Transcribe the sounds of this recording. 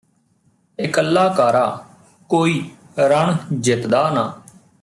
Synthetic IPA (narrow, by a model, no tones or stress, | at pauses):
ɪkəlːaːkaːɾaː | koːiː | ɾəɳd͡ʒɪt̪d̪aːnaː